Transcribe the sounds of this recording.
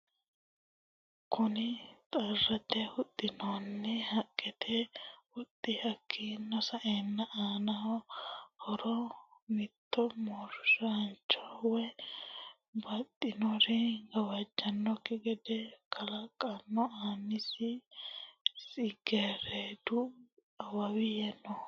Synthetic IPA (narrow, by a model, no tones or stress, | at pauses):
kʰʊnɪt̪ʼɐrːɐt̪ɛhʊt̪ʼːɪnonːɛhɐkʼːɛt̪ʰɛwɔt̪ʼːɪhɐkʰːiːnːɔsɐʔeːnːɐʔaːnɐhɔhɔɾɔmɪt̪ːɔmɔɾʃɐnt͡ʃːɔwɛ | bɐt̪ʼːɪnɔɾɛɡɐwɐd͡ʒːɐnːɔkːɪɡɛd̪ɛkʰɐlɐkʼːɐnːɔaːnːɪsɪ | sʼɪɡeːɾeːd̪ʊ | ɐwɐwɪjɛnːɔ